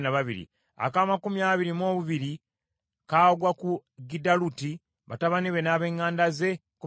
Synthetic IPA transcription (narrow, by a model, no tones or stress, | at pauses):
naβaβḭɾḭ | a̰kaːmakumiaːβiɾimo̞ːβuβiɾi | kaːoɡwakuɡidaluti | βa̰taβaniβe̞naːβe̞ːŋːaːndaze̞ | ku